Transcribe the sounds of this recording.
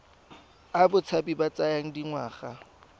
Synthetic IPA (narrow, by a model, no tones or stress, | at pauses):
abʊt͡sʰapibat͡sajaŋ̩diŋwaːχa